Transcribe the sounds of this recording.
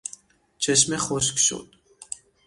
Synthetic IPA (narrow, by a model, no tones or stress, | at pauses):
t͡ʃʰɛʃmɛχɔʃkʃɔ̰t̪ʼ